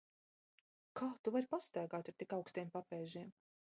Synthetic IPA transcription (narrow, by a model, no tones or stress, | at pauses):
kʰaːt̪uvaɾpast̪æːɡaːt̪aɾt̪ikawkst̪ijmpapɛːʒiɛm